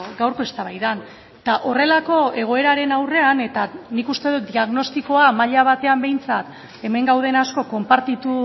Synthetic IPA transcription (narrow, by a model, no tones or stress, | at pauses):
ɡawɾko̞e̞st̪aβajðan | t̪aʔo̞re̞lako̞e̞ɣ̞o̞e̞ɾaɾe̞nawre̞ane̞t̪anikust̪e̞ð̞ut̪̚d̪iaɣno̞st̪iko̞amaʎaβ̞at̪e̞ambe̞jnt͡sat̪ | e̞me̞ŋɡawð̞enasko̞ko̞mpaɾt̪it̪u